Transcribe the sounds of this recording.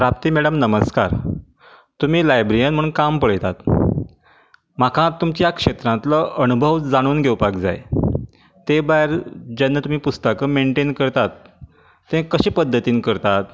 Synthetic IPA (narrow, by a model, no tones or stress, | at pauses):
pɾap̚t̪iːmɛɽəmnəməskaɾ | t̪um̤iːlajbɾijənm̤əɽuːnkampəɭəjt̪at̪ | makʰãt̪umt͡ɕjakʂet̪ɾãt̪ləʔənubʱəʋd͡zaɽ̃uːnɡʱewpakd͡za̰j | t̪ebaeɾd͡ʑanːət̪um̤iːpust̪əkəmeɳʈenkəɾt̪at̪ː | ẽkəɕẽːpəd̪ʱːət̪iːnkəɾt̪at̪